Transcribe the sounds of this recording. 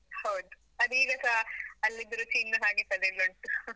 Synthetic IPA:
hɐwd̪u | ɐd̪iːɡɐsɐɐlːid̪ɾut͡ʃinːɐɦaːɡesɐleloɳʈu

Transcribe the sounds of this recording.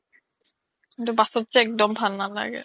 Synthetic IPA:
kint̪ubasot̪ːt͡ɕeɛk̚d̪ombʱalnala̰ɡḛ

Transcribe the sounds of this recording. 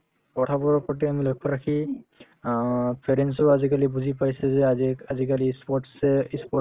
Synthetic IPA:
pɔtʰabɔɹɔpɔʈ̬ɛamilɔjkʰːɔɹakʰi | pʰeɾensɔazikalibuzʱipajsɛzɛaziazik̬alispɔʈsɛispɔ

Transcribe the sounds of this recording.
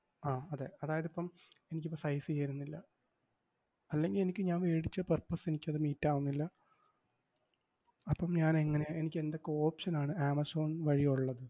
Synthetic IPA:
aːɐðeɐðaːjɐðipːɐm | e̞nikʲːipːɐsɐjsijeiɾunːilːɐ | ɐlːe̞ŋɡile̞nikʲːɨɲaːnʋeːɽit͡ɕːɐpɐrpːɐsenikʲːɐðɨmiːtːaːʋunːilːɐ | ɐpːɐmɲaːneŋːɐneenik̬ʲːe̞nd̪okːoːpʂɐnaːɳɨaːmɐso̞ːnʋɐɻijuɭːɐðɨ

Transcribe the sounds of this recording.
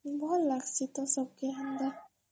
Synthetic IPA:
mbɔlaksit̪ɔsɔkend̪a

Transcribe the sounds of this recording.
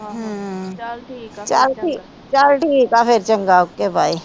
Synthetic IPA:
ɦ | t͡ʃaɾʈi | t͡ʃaːɾʈikafeɾt͡ʃəŋɡaʊkːebaːi

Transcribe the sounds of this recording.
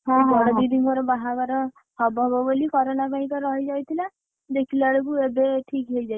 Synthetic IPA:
ɦɔɽɔbid̪iŋkɔɾɔbaɦakɔɾɔ | hɔbɔɦbɔbolikɔɾɔnakaĩkɔɾɔɦid͡ʒajt̪ʰila | d̪ekʰilaɽekuebeʈʰikɦejd͡ʒaj

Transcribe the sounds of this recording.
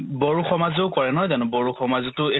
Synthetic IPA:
boɹuxɔmazoʊkɔɹɛnɔɦɔjzanʊbɔɹuxɔmazitʊe

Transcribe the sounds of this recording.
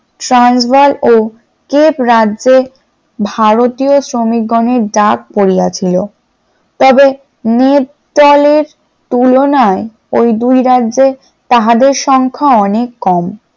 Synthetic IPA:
ʈɾansbalo | kepɾadːʑe | bʱaɾot̪iosɾomik̚ɡɔneɾɖak̚poɾijat͡ɕʰilo | t̪ɔbe | net̪ | d̪ɔleɾ | t̪ulonae | ojd̪ujɾadːʑe | t̪aɦad̪eɾʃɔŋkʰaɔnekːɔm

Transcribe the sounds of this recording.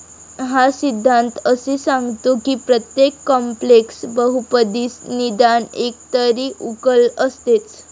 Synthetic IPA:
ɦasid̪ʱːant̪əsesãŋɡt̪okiːpɾət̪jekːɔmpleksbəɦupəd̪iːsnid̪anek̚t̪əɾiːʔukələst̪et͡s

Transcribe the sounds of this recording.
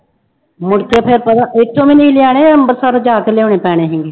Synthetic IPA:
mʊɽkʰeːpʰeɾpət̪aːʔɪt̪ʰːõːmiːniːlɪjaːɽ̃eːəmbəɾsaɾd͡ʒaːkeleːoːɳeːpɛːɽ̃eːɦɪŋɡeː

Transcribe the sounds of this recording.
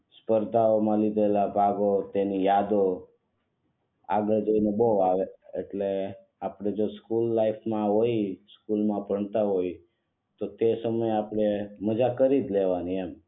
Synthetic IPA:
spəɾt̪aomãlid̪ʱelapaɡot̪enijad̪o | a̰ɡəɭd͡ʒəineboʋaʋeḛʈle | apɽ̃ed͡ʒoskulːaifʰmãɦoiskulmãpəɳt̪aɦoi | t̪ot̪esəməjapɽ̃eməd͡ʒakəɾid̪leʋaniem

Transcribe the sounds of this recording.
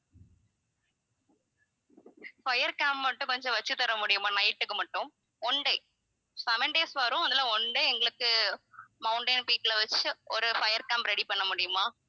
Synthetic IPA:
fɐjɐɾkaːmpmɐʈːɯ̃kɔɲd͡ʒɔ̃ʋɐt͡ʃːɯt̪ːɐɾɐmʊɽɪjɯmaːnɐjʈːɯkːɯmɐʈːɯ̃m | ɔɳɖɐ | sɐʋɐɳɖeːsʋɐɾʊ̃ɐnd̪ɐlãɔɳɖeɛŋɡɐɭɯkːɯmɐʊɳʈɐ̃ɪnpiːʈːlɐʋɐt͡ʃːɯɔɾɯfɐjɐɾkaːmpɾɛɽipɐɳːɐmʊɽɪjɯmaː

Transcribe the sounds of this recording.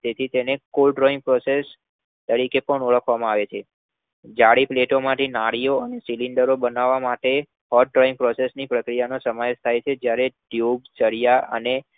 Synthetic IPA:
t̪et̪ʰit̪enekolɖɾoĩŋɡ̚pɾɔses | t̪əɾikepəɳuɭəkʰʋamãaʋet͡ʃʰe | d͡ʒaɽipleʈomãʈʰinaɽijoənesiliɳɖəɾobənaʋːamaʈe | hɔʈ̚ɖɾoĩŋɡpɾɔsesnipɾəkɾijanosəmaʋeʃt̪ʰajt͡ʃʰed͡ʒjaɾeɖjubt͡ʃəɽijaə̰ne

